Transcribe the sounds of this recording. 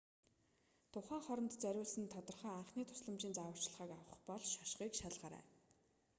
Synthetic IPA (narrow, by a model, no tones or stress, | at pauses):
t̪ʰʊχæːχɔɾɞnt̪t͡sœɾʲʊːɮsə̆nt̪ʰːɔt̪ɞ̆rχœːaɴχniːt̪ʰʊ̥sɮə̆mt͡ɕiːnt͡saːwə̆r̥t͡ɕɮʁaːkawə̆χpɔɮʃaʃχiːkʃaɮʁaːɾæ̰ː